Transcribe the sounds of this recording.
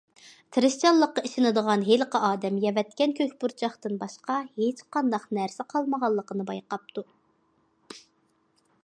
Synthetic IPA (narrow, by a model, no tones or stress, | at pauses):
t̪ʰɾɨʃt͡ʃʰɑlˠːəqːɑiʃɪnɨd̪əʁɑnɦeləqəɑːd̪ɛmjɛvɛt̪̚kʲɛnkʲʰøkʲbuɾt͡ʃʰɑχt̪ɨnbɑʃqɑhet͡ʃqʰɑnd̪ɑqnæɾsɪqʰɑlˠməʁɑlˠːəqənɨbɑjqɑp̚t̪u